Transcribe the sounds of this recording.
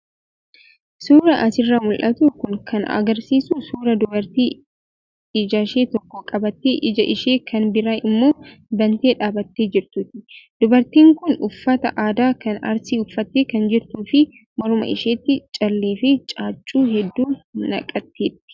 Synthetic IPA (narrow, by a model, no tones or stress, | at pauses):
suːɾɐʔɐsɪrːɐmʊlʔɐt̪ukʊŋkʰɐnɐ̰ɡɐɾsiːsusuːɾɐd̪ʊbɐɾt̪iː | ɪd͡ʒaːʃeːt̪ɔkːɔkʼɐbɐt̪ːeːʔɪd͡ʒɐʔɪʃe̞ːkʰɐnbɪɾaɪmːo̞ːbɐnt̪e̞ːᶑaːbɐt̪ːe̞ːd͡ʒɪɾt̪ut̪ɪd̪ʊbɐɾt̪iːŋkʊnʊfːɐt̪ɐ̰ʔaːd̪aːkɐnɐ̰ɾsiʊfːɐt̪ːeːkɐnd͡ʒɪɾt̪uːfɪ | mɐɾʊmɐ̰ʔɪ̰ʃeːt̪ːɪt͡ʃʼɐlːeːfɪt͡ʃʼaːt͡ʃʼːuːɦɛd̪ːuːnɐ̰kʼɐt̪ːeːt̪ːɪ̥